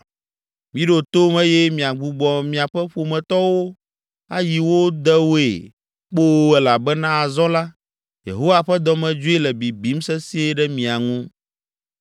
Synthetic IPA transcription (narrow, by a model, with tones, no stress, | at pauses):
mĩ˦ɖo˨t̪o˦mɛ̃˦jɛ˦mĩ˨a˨ɡ͡bu˨ɡ͡bɔ˨mĩ˨a˨ɸɛ˦ɸo˨mɛ̃˨t̪ɔ˦wo˦ | a˦ji˨wo˦d̪ɛ˦wo˦ḛ˨ | k͡po˦ɛ˨la˨bɛ˦nã˦a˨zɔ̃˦la˦ | jḛ˨ɦo˦wa˨ɸɛ˦d̪ɔ˦mɛ̃˨d͡ʒo˦i˦lɛ˨bi˨bi˨˦m˦sɛ˦si˦e˦ɖɛ˦mĩ˨a˨ŋũ˦